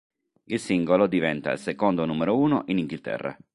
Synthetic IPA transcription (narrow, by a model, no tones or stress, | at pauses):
ilsiŋɡolod̪ivɛnt̪aḭlsekond̪onuːmeɾouːnoʔiniŋɡilt̪ɛ̰rːa̰